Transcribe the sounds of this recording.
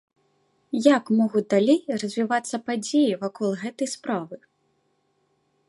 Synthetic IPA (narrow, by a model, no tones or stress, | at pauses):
jakmɔɣud̪alʲejrɐzʲvʲivat̪sːɐpad͡zʲejivakɔlˠɣɛt̪ɐjspɾavɨ